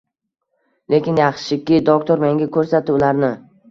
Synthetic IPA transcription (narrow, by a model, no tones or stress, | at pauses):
le̞kʲɪnjɑχʃʃɪkʲːɪd̪ok̚t̪oɾmeŋɡʲakʰɵɾsat̪ʰɪʊlaɾnɪ